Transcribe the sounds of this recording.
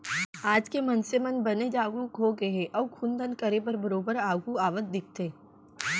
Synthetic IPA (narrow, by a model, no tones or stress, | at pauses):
aːd͡ʒkemɐnsemənbɐned͡ʒaːɡuɡʱoɡɐɦeʔɔːɾkʰʊ̃nd̪ənkɐɾepɐɾbɐɾoːbəɾaːɡuaːʋət̪̚d̪ɪk̚t̪eː